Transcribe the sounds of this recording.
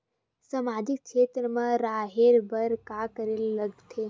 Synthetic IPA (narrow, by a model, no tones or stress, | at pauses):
sɐmaːd͡ʒɪk̚kʃeːt̪ɾəmãɾaːɦeɾbɐɾkaːkəɾelːɐɡt̪ʰe